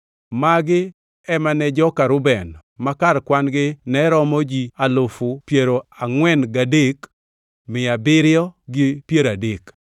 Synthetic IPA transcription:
maɡɪ | ɛmanɛd͡ʒɔkaɾʊbɛn | makarkwanɡɪnɛɾɔmɔd͡ʒialʊfʊpjeɾoaŋwɛnɡadek | mɪabɪɾɪjɔɡɪpjeɾadek

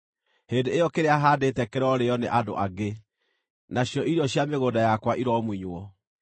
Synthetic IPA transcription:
hendeejɔkeɾeaɦaːdetɛkeɾɔɾeɔneʔado̰ʔaɡe | naɕjɔʔiɾɔɕjameɣoːdajakwaʔiɾɔmwiɲwɔ

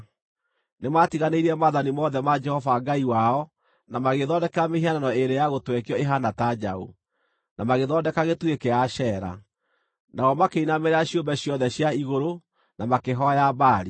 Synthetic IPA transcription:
nematiɣaneiɾiɛmaðanimɔðɛmad͡ʒɛhɔvaŋɡaiwaɔ | namaɣeðɔndɛkɛɾamehiananɔeɾejaɣotwɛkjɔeɦanatad͡ʒao̰ | namaɣeðɔːdɛkaɣetuekeaɕɛːɾa̰ | naɔmakeinameɾeaɕjombɛɕjɔðɛɕjaiɣoɾo | namakeɦɔjabaːɾi

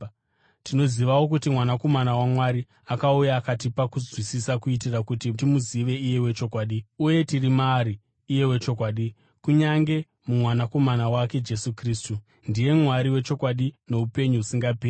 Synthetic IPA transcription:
tino̞ziʋawo̞k̬utimwanako̞manawamwaɾi | akaujaːkatipakuzwisisakuitirakutitimuziʋe̞ije̞we̞t͡ʃo̞kwaːɗiuje̞tirimaɾiː | je̞we̞t͡ʃo̞k̬waːɗi | kuɲaŋɡe̞ | mumwanako̞manawake̞d͡ʒe̞sukriːstu | ndije̞mwaɾiwe̞t͡ʃo̞kwaɗine̞upe̞ɲuusiŋɡapeːi

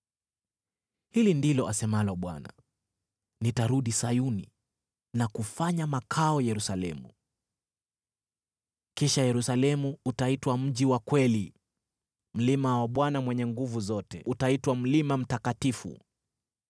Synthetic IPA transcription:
hilindilɔʔasɛmalɔɓwa̰na̰ | nitaɾuɗisajunḭ | nakufaɲamakʰaɔjɛɾusalɛ̰mṵ | kiʃajɛɾusalɛmuutaitwam̩ʄiwakwɛli | m̩limawaɓwanamwɛɲɛŋɡuvuzɔtɛutaitwam̩limam̩takatifṵ

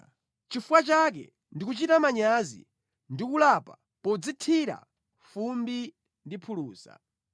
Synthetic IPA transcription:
t͡ʃifuwat͡ʃak̬ɛ̰ | ndik̬ut͡ʃitamaɲazḭ | ndikulapa | pɔd͡zitʰiɾa̰ | fumbi | ndipʰuluːsa̰

